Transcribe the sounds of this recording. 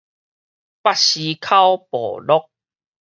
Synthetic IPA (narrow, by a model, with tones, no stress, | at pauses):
pa˥ɕi˧kʰa˦wpɔ̰˨˩lɔ˦k̚